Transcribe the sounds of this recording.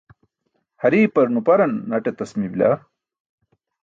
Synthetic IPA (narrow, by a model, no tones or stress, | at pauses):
hɐɾiːpɐɾnupɐɾɐnːɐʈet̪ɐsmibla̰